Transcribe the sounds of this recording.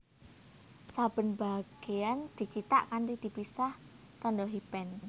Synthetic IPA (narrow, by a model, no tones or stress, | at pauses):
sab̥ə̤nba̤ɡ̥eand̪̥i̤t͡ʃit̪a̰ʔkant̪id̪̥i̤pisah | t̪ɔndɔɦibɛn